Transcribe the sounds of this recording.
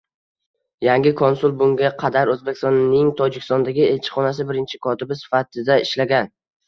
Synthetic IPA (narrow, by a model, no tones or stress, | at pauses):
jaŋɡʲɪkʰonsʊlˠbʊŋɡʲaqʰɑd̪aɾɵzbe̞kʲɪst̪ɔnːɪŋt̪ʰɒd͡ʒɪkʲɪ̥st̪ɒnd̪aɡʲɪe̞lʲt͡ʃʰɪ̥χɒnasɪbɪɾɪnt͡ʃʰɪkʰɒt̪ɪbɪsɪ̥fat̪ʰɪd̪aɪʃlaɡʲan